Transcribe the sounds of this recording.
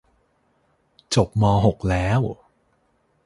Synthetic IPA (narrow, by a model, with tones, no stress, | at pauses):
t͡ɕo˨˩p̚mɔː˧ɦo˨˩k̚lɛː˦˥w